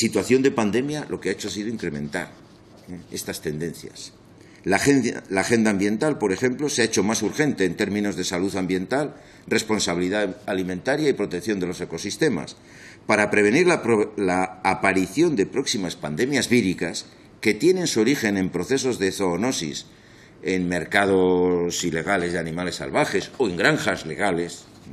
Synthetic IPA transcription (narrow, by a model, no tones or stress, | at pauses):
sit̪waθjo̞nd̪e̞pand̪e̞mjalʔo̞keaet͡ʃoesiðo̞iŋkɾe̞mẽ̞nt̪a̰ɾ | ee̞st̪ast̪e̞nd̪ẽ̞n̟θja̰s | laelaxe̞nd̪aːmbje̞nt̪alpo̞ɾe̞xe̞mplo̞seaet͡ʃo̞masuɾxe̞nt̪e̞ːnt̪e̞ɾmĩno̞zðe̞saluðambje̞nt̪al | re̞spo̞nsaβiliðaalimẽ̞nt̪aɾjaipɾo̞t̪e̞kθjo̞nd̪e̞lo̞se̞ko̞sist̪e̞ma̰s | paɾapɾe̞βe̞niɾlalaːpaɾiθjo̞nd̪e̞pɾo̞ksimaspand̪e̞mjazβiɾikas | ke̞t̪je̞ne̞nsuoɾixe̞ne̞mpɾo̞θe̞so̞zðeθoːno̞sḭs | enme̞ɾkað̞o̞sile̞ɣ̞ale̞zðeanĩmale̞sːa̰lβaxe̞so̞eŋɡɾaŋxazle̞ɣ̞ale̞s